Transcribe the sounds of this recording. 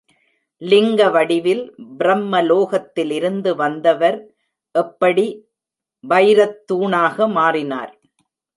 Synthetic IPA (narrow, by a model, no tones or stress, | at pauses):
lɪŋɡɐʋɐɽɪʋɪlbɪɾɐmːɐloːɣɐt̪ːɪlɪɾɯnd̪ɯʋɐnd̪ɐʋɐɾ | ʔɛpːɐɽi | ʋɐɪɾɐt̪ːuːɳaːɣɐmaːrɪna̰ːɾ